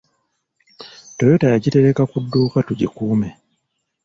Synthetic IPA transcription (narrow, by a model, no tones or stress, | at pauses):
tojotajaɟite̞ɾe̞kakudːuːkatuɟḭkuːme